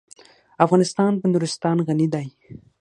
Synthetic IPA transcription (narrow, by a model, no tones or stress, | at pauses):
afɣɑnɪst̪ɑnpənuɾɪst̪ɑnɣanid̪aj